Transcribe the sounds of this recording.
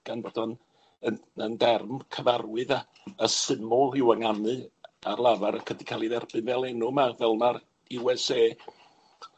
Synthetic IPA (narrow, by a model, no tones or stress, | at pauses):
ɡ̥anbodɔn | əəndɛrmkʰəvarwɨða | əsɪmʊlˠɪwaŋanɨarlˠavaɾəkʰədikʰalˠiðɛrb̥ɨnvɛlˠɛnʊmavɛlˠmaɾ | iwɛseː